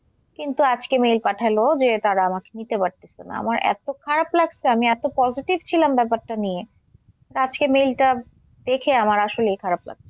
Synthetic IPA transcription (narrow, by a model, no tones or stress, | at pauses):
kint̪uad͡ʑkemejlpaʈʰalod͡ʑet̪aɾaamake̥nit̪epaɾt̪et͡ɕʰen̰a̰maɾɛ̰t̪okʰaɾablaɡt͡ɕʰeamiɛt̪opɔd͡ʑiʈibt͡ɕʰilambɛpaɾʈanije | ad͡ʑkemejlʈa | d̪̥ekʰeamaɾaʃoleejkʰaɾabla̰ɡ̚t͡ɕʰe̥